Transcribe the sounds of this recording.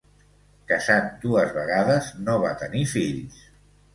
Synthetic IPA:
kəzat̪̚d̪uəzβəɣ̞aðəznoβ̞a̰t̪ənifiʎs

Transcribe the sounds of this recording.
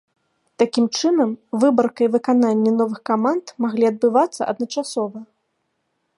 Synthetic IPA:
t̪akʲimt͡ʂɨnɐmvɨbɐrkɐivɨkananʲːɛnɔvɨxkamant̪maɣlʲiɐd̪̚bɨvat̪sːɐ̰ʔɐ̰d̪nɐt͡ʂasɔvɐ

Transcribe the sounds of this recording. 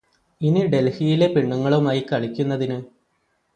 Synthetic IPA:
iniɖe̞lhijile̞piɳːuŋːɐɭumaːjikːɐɭikʲːunːɐðinɨ

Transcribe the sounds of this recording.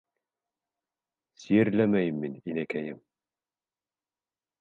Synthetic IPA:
sijɘ̆ɾlæmæjɘmːininækæjɘm

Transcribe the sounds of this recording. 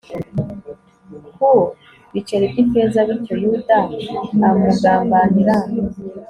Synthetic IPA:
hu | βit͡ʃeɾebɟimpeːzaβiɾcojuːdaamuɡaːmbaniɾa

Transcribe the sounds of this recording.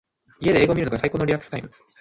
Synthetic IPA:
ie̞d̪e̞eːɡo̞mʲiɾɯ̟noɡasaikoːno̞ɾʲiakɯ̟̥sɨ̥t̪aimɯ̟

